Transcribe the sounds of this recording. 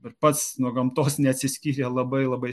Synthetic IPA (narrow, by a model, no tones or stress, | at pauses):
pʲɛɾpɐt̪snuɔɡɐmt̪oːsnʲɛɐt̪ʲsʲɪsʲkʲiːɾʲelˠɐbɐɪlˠɐbɐɪ